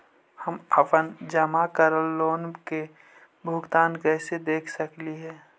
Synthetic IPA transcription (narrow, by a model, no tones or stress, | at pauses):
həməpənd͡ʒəmakəɾəlːoːnke | bʱʊɡt̪aːnkɛːsed̪eːkʰsəkliɦɛː